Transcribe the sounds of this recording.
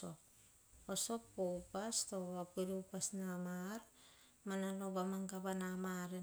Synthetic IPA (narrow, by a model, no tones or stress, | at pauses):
op̚ | osoppopast̪owapiɾupasnamaɾ | manalobamaŋkabanamaɾe